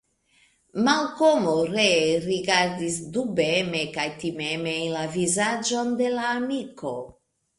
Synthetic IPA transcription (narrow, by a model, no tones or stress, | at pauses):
malkomoɾeɾiɡaɾd̪isd̪ubemekajt̪imemenlavizad͡ʒo̞nd̪elaːmiko